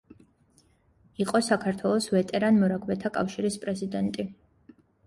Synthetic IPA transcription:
iqʼɔsakʰaɾt̪ʰwɛlˠɔsvɛt̪ʼɛɾanmɔɾakʰvɛt̪ʰakʼa̰fʃiɾispʼɾɛzid̪ɛnt̪ʼi

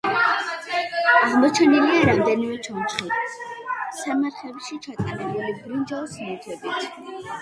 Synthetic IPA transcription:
aʁmɔt͡ʃʰɛniliaɾamd̪ɛnimɛt͡ʃʰɔnt͡ʃχi | samaɾχɛbʃit͡ʃʰat̪ʼanɛbulibɾund͡ʒalˠsmɛt̪ʰɛbit̪ʰ

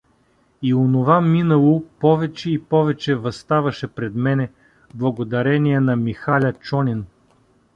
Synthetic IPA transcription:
ionovaminɐlˠopɔvɛt͡ʃɛipɔvɛt͡ʃɛvɐst̪avɐʃɛpɾɛd̪mɛnɛ | blˠɐɡod̪ɐɾɛniɛnɐmixalʲɐt͡ʃɔnʲin

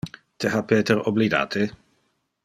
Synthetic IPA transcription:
t̪ʰɛɦapɛːt̪ɛɾɔblida̰ːt̪ʰɪ

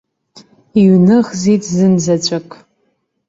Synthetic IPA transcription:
iɥnɨʁzitʰzɨnzɐt͡ɕʷʼɐkʼ

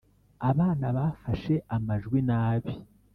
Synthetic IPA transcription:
aβaːnaβaːfaʃe̞ʔamaʒɡwinaːβi

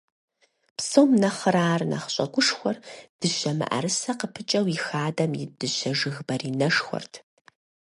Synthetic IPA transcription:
psowmnɐχəɾaːrnɐ̰χɕʼɐɡʷʊʂxʷɔrd̥ɨɕɐmɨ̰ʔɐ̰ɾɨsɐqəpʰɨt͡ʃʼɐwixaːdɐmjɪd̥ɨɕɐʐɨɣbɐrinɐʂxʷɔ̰rtʰ

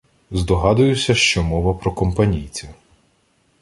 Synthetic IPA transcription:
zd̪ɔɦɑd̪ʊjʊsʲɐʃt͡ʃɔmɔʋɐpɾɔkɔmpɐnʲijt͡sʲɐ

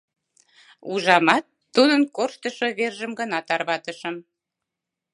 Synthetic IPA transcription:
uʒɑmɑt̪ːud̪ənkorʃt̪əʃoβerʒəmɡənɑt̪ɑrβɑt̪əʃəm

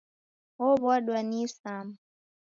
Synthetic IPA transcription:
ɔβwaɗwanisam

